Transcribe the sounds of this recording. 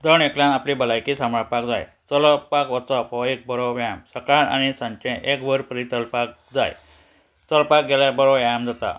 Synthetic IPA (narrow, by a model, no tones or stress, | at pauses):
d͡z̪əɳekljãnaplibəlajkisamapakd͡za̰jt͡səlɔpakʋət͡sɔpɔek̚bəɾɔʋjamsəkɭaɳa̰ñisãɲt͡ʃẽʔekbəɾpəɾit̪əlpak̚d͡za̰j | t͡səlpak̚ɡɛlabəɾɔjamd͡zat̪a̰